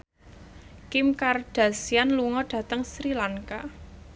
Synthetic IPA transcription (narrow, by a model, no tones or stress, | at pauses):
kɪmkarɖ̥a̤sianluŋɔɖ̥ä̤t̪əŋsɾilaŋka